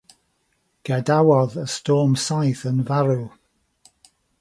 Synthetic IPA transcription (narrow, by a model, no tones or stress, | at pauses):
ɡ̥ɛdawɔðəstɔːmsajθənvaɾu